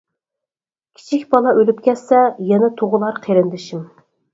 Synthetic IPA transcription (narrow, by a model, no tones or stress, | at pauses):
kʲʰi̥t͡ʃʰikʲbɑlˠɑʔølyp̚kʲʰɛsɛjɛnɛt̪ʰoʁʊlˠɑɾqʰeɾɪnd̪ɪʃim